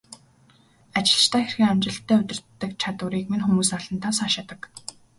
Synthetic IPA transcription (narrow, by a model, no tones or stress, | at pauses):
at͡ɕɪ̆ɮ̆t͡ɕt̪ʰæːxerxɘ̆ŋamt͡ɕɪ̆ɬt̪ʰːæːʊt̪ʲɪ̆r̥t̪ːə̆k̚t͡ɕʰat̪ʊ̆ɾiːkmiŋxumuːsnaɮə̆nt̪ʰasaːʃat̪ə̆k